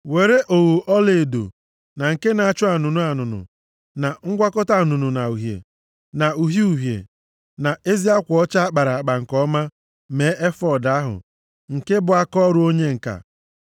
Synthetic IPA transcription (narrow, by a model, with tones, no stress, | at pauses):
we˨ɾe˦ʔo˨wu˨ʔɔ˦le˨do̰˨ | na˨ŋ̩˨ke˦na˨a˦˨t͡ʃʊ˦a˨nʊ˨nʊ˦a˨nʊ˨nʊ̰˨ | na˨ŋ̩˦ɡʷa˦kɔ˦ta˦˨nʊ˨nʊ˨na˨u˨ɦjḛ˨ | na˨u˨ɦi˦u˨ɦjḛ˨ | na˨ʔe˦zi˦a˦kʷɔ˦t͡ʃa˦a˦k͡pa˨ɾa˨a˨k͡pa˨ŋ̩˨kɔ˦ma˦ | me˨˦ʔe˦fɔ˦da˦ɦʊ̰˨ | ŋ̩˨ke˦bʊ˨a˦kɔ˦ɾʊ˦o˦ɲe˦ŋ̩˨ka̰˨